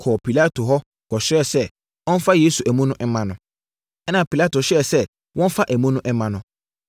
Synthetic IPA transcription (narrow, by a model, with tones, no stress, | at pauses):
kʰɔ˨pʰi˨la˦tʰo˨ɦɔ˦ | kɔ˨ɕɾɛ˦˨sɛ˦ | ɔ̃˦n˦fa˦jeː˦su˨ʔæ˨mũ˦nʊ̃˦ʔɛ˦mã˨nʊ̃˨ | ɛ˦nã˨pi˨la˦to˨ɕɛ˨sɛ˦ | wʔɔ̃˦n̩˦fa˦ʔæ˨mũ˦nʊ̃˦ʔɛ˦mã˨nʊ̃˦